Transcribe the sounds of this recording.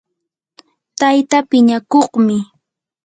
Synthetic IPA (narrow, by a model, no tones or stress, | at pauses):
t̪ajt̪apɪɲakoχmɪ